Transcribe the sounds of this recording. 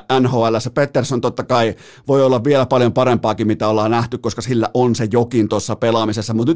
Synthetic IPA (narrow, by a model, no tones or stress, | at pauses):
ʔænhoːælːæsːæpet̪ːersont̪ot̪ːɑkɑi | ʋoiolːɑʋʋielæpɑljompɑrempɑːkimmit̪æolːˑɑːnnæht̪ykkoskɑsilːæʔonsejokint̪osːɑpelɑmisesːɑmut̪ny